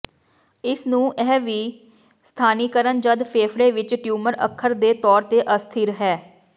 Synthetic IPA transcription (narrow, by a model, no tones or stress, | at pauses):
ɪsnũːʔɛːʋiː | st̪ʰaːniːkəɾənd͡ʒəd̪pʰeːpʰɾeːʋɪt͡ʃʈjuːməɾə̰kʰːəɾd̪eːt̪ɔːɾt̪eːʔəst̪ʰɪɾɦɛː